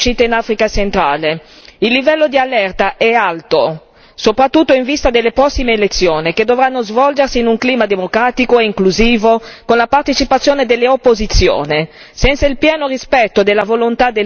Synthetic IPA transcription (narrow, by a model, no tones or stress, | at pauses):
ʃit̪einafɾikat͡ʃent̪ɾaːle | ilːivɛlːod̪ialɛrt̪aʔɛalt̪o | sopɾat̪ːut̪ːoiɱvist̪ad̪elːepɾɔsːimeːlet̪sːjoːniked̪ːovɾanːozvɔld͡ʒersiːnuŋkliːmad̪emokɾaːt̪ikoeiŋkluziːvokonlapart̪et͡ʃipat̪sːjoːned̪elːeopːozit̪sːjo̰ːne | sɛnt̪sailpjɛːnorispɛt̪ːod̪elːavolont̪ad̪e